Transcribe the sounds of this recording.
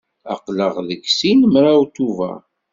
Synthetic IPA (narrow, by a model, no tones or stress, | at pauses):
ɑ̰qləʁðəkːsinmɾawt̪uvæ̰